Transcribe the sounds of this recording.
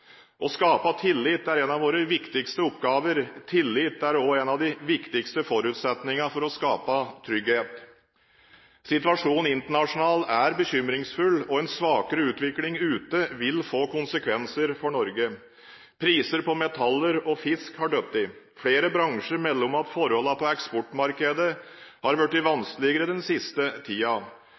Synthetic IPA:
ʔɔskɑːpɑt̪ʰɪlːɪt̪ːæɾɛnɑʋoːɾəʋɪkt̪ɪkst̪əʊpːɡɑːʋəɾt̪ʰɪlːɪt̪ːæɾoːɛnɑʋd̪ɪʋɪkt̪ɪkst̪əfɔɾʉːt̪sɛt̪nɪŋɑfɔɾɔskɑːpɑt̪ʰɾʏɡheːt̪ | sɪt̪ʋɑʂuːnn̩ɪnt̪əɳɑʂʊnɑːlæɾbəçʏmɾɪŋsfʉlːɔɛnsʋɑːkəɾəʉːt̪ʋɪklɪŋʉːt̪əʋɪlfoːkʊnsəkʰʋɛnsəɾfɔɳɔɾɡə | pʰɾiːsəɾpɔmɛt̪ʰɑlːəɾɔfɪskhɑɖœt̪ːɪ | fɽeːɾəbɾɑŋʂəɾmɛlːɔmɑt̪fɔɾhɔləpʰɔɛkspɔʈmɑɾkəd̪əhɑɾʋæʈːɪʋɑnskəlɪɡəɾəd̪ɛnsɪst̪ət̪ʰiːɑ

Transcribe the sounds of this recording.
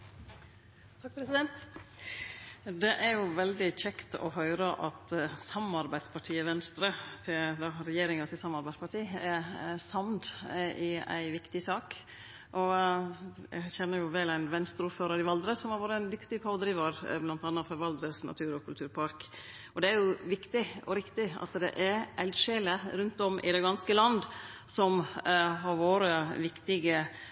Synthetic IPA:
t̪ʰɑɾɛsɪd̪ɛnt̪ | d̪ɛʔæɾjʊʋɛld̪ɪc͡çɛkt̪ɔ̰hœʏɾəʔɑt̪sɑmɑɾbæɪd̪spʰɑʈʰiːəʋɛnst̪ɾət̪ʰɪd̪ɑɾɛjeːɾɪŋɑsɪsɑmɑɾbæɪd̪spɑʈʰiːæɾsɑmd̪ɪæ̰ɪʋɪkt̪ɪsɑːk | ʔɔ | jæ̰çɛnːəɾjʊʋɛlæɪnʋɛnst̪ɾəuːɾføːɾəɾɪʋɑld̪ɾəsɔmhɑɾʋoːɾəæɪnd̪ʏkt̪ɪpʰɑːd̪ɾiːʋɑɾblɑnt̪ɑnːɑfɔɾʋɑld̪ɾəsnɑ̰t̪ʰʉːɾɔkʰʉlt̪ʰʉːɾpʰɑɾk | ɔd̪ɛæɾjʊʋɪkt̪ɪʔɔ̰ɾɪkt̪ɪɑ̰t̪d̪ɛ̰ʔæɾʔæld̪ʂeːləɾʉnt̪ɔmʔɪ̰d̪ɛɡɑnskəlɑnd̪sɔmɦɑɾʋoːɾəʋɪkt̪ɪɡə

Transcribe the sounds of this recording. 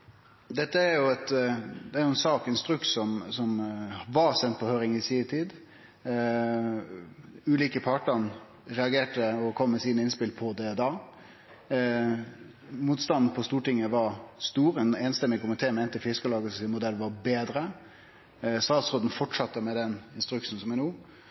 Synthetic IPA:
d̪ɛt̪ːəæɾjʊɛt̪d̪ɛæɾjʊɛnsɑːkɛnst̪ɾʉksɔmsɔmʋɑɾsɛnt̪̚pʰɔhøːɾɪŋɪsiːt̪ʰiːd̪ | ʉːliːkəpʰɑʈən | ɾɛɑɡeːʈəɔkʰɔmːɛsiːnəɪnspɪlpʰɔd̪ɛɔd̪ɑː | muːt̪st̪ɑnn̩pʰɔst̪uːʈɪŋːəʋɑɾst̪uːɾɛneːnst̪ɛmːɪkʊmɪt̪ʰeːmɛɛnt̪əfɪskəlɑːɡəsɔsɪnmʊd̪ɛlːʋɑbeːd̪ɾə | st̪ɑːd̪sʁoːd̪n̩fɔʈʂɑt̪ːəmɛd̪ɛnɪnst̪ɾʉksn̩sɔmænuː

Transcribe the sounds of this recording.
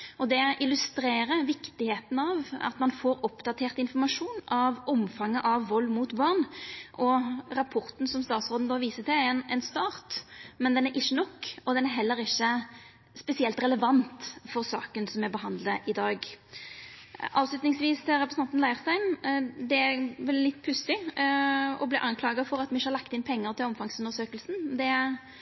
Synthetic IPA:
ɔd̪ɛʔɪlʉst̪ɾeːɾəʋɪkt̪ɪheːt̪nɑʋɑ̰t̪mɑnfoːɾɔpd̪ɑt̪ʰeːʁt̪ɪnfɔʁmɑʂuːnɑʋɔmfɑŋːəʔɑʋːɔlːmuːt̪bɑʁnʔɔɾɑpʰɔɾt̪n̩sɔmst̪ɑːt̪sʁoːd̪nəd̪ɑːʋiːsət̪ʰɪɛnɛnst̪ɑːʁt̪mɛnd̪ɛnæɾʔɪçːənɔkːɔd̪ɛnæɾɦɛlːəɾɪçːə | spɛsɪɛlt̪ɾɛləʋɑnt̪fɔɾsɑ̰ːkənsɔmɛbəɦɑnd̪ləʔɪd̪ɑːɡ | ʔɑːʋslʉt̪nɪŋsʋiːst̪ʰɪlɾɛpɾəsɑnt̪nlæɪəʁst̪æɪnd̪ɛæɾʋɛlːɪt̪ːpʰʉsɪ | ɔ̰bliːʔɑnkʰlɑːɡɑfɔɾɑt̪mɪçːəhɑɾlɑkt̪ɪnpʰɛŋːəɾt̪ʰɪlɔmfɑŋsʉnəsøːkəlsn̩d̪ɛæ

